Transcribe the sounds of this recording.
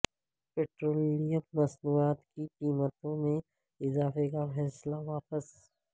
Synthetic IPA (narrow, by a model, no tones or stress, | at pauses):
peːʈɾoːliɖijəmːɐsnuːaːt̪kikiːmət̪õmẽ | ɪzaːfekafɛːslaʋaːpəs